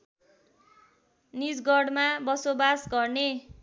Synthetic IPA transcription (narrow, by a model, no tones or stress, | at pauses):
nid͡zɡʌɽmabʌsobasɡʌrne